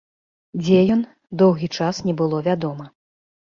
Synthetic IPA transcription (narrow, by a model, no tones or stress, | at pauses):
d͡zʲɛjɔn | d̪ɔwɣʲit͡ʂasnʲɛbɨlˠɔvʲad̪ɔmɐ